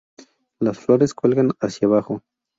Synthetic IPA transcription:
lasfloɾeskwelɣanasjaβaxo

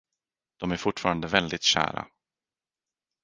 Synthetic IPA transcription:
d̪̥ɔmæɾfʊʈːfɑːɾand̪əvɛld̪ɪt̪ɕæ̰ːɾa̰

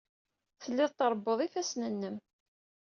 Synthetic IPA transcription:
θəlːɪðˤt̪əɾˤbːoðˤifæsnənːəm

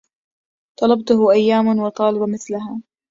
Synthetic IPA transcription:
t̪ˤɑlɑbt̪ʊhʊʔajːaːmnwɑt̪ˤɑːlɑbamɪθlaɦaː

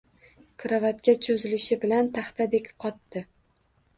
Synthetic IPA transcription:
kʰɾavat̪kʲat͡ʃʰozɪlɪʃɪbɪlant̪ʰaχt̪ʰad̪e̞kʲqʰɒt̪ːɪ

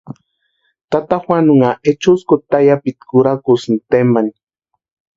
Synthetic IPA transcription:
t̪at̪axwanʊŋaʔet͡ʃʊskot̪ajapit̪kʊɾakusnt̪emani

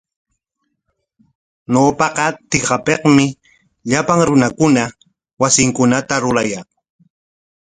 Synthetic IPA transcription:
ɲoːpɑqɑt̪ɪqɑpeqmɪ | ʎapaŋɾʊnakʊna | wasɪŋkʊnat̪aɾʊɾajaŋ

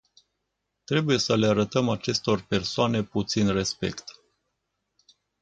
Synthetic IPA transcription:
t̪ɾe̞buje̞səleaɾət̪əmat͡ʃe̞st̪o̞rpe̞rsoane̞put̪sinre̞spe̞̰kt̪

